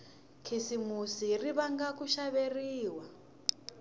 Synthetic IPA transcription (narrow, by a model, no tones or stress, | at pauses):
kʰisimusiriβaŋɡakuʃaβeriːwa